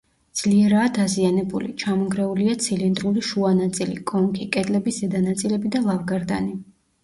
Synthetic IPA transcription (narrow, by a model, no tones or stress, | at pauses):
d̪z̥liɛɾaːd̪azianɛbulḭt͡ʃʰamɔɡɾɛuliat̪sʰilind̪ɾuliʃuanat̪sʼilḭkʼɔmkʰʼikʼɛd̪lɛbiszɛd̪anat̪sʼilɛbid̪alˠavɡaɾd̪a̰ni